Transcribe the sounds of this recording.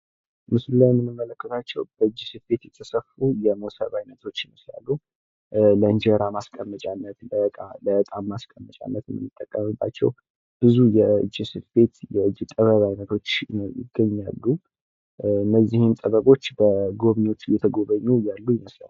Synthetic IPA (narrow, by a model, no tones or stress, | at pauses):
mɨsulːajmɨnːɨmːələkːət̪ʰat͡ʃːɛwb̥əɨd͡ʒːisɨfbe̞t̪jɛt̪ʰəsəfujɛmosə̰βajnət̪ʰo̞t͡ʃːnɨsla̰lːu | ləɨnd͡ʒəɾamaskʼəmːət͡ʃʼanːət̪əaləʔət̪ʼamːaskʼəmːət͡ʃʼa̰nːət̪mɨnːɨt̪ʼːəkʼːəmɨbːa̰t͡ʃːɛ̰w | b̥ɨzujɛɨ̰d͡ʒːisɨfbe̞t̪jɛɨd͡ʒːit̪ʼəβəβajnət̪ʰo̞t͡ʃːjɪ̰ɡəɲːa̰lːu | nəzːihint̪ʼəβəβo̞t͡ʃːbəɡo̞βɲo̞t͡ʃːjɛt̪ʰəɡo̞βəɲːujalːujɛməsə̰n